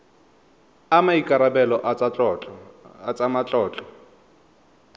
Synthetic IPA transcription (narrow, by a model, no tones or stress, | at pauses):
amaikʼaɾabɛlɔʔa | at͡sʼamat͡ɬʼɔːt͡ɬʼɔ